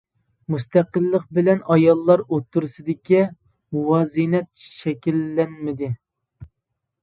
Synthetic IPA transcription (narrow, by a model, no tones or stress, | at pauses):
must̪æqəlˠːəq̚bɪlɛnɑjɑlˠːɑɾot̪ʰːuɾsɨd̪ɪkʲi | wɑzinɛt̪̚ʃɛkʲilːɛnmɪd̪ɪ